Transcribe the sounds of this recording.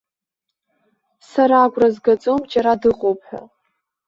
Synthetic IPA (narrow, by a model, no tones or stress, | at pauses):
saɾaːɡʷrazɡat͡sʼo̞md͡ʒaɾadɨqʼopħa̰